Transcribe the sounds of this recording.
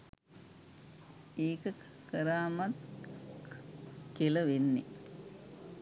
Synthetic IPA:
eːkə | kəɾaːmat̪ | keləʋenːi

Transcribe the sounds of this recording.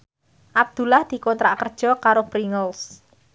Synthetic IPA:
ʔab̚d̪̥ṳlahd̪̥i̤kɔnt̪ɾaʔkərd̥ʒ̥ɔ̤kaɾopɾiŋəls

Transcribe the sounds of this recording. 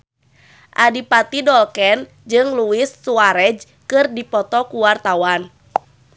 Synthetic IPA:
ʔadipat̪idɔlkɛn | d͡ʒɨŋluɪsːuaɾɛd͡ʒ | kɨrdipɔt̪ɔkuwart̪awan

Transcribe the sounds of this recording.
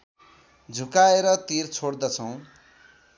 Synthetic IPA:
d͡zʱukaeɾʌt̪irt͡sʰoɽd̪ʌt͡sʰʌw̃

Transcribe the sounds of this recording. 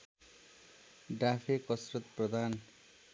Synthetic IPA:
ɖafekɔsɾot̪pɾod̪ʱan

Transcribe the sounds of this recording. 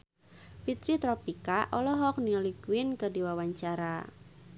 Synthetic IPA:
pit̪ɾit̪ɾɔpikaʔɔlɔɦɔk̚niɔliɡwɪnkɨdiwawaɲt͡ʃaɾa

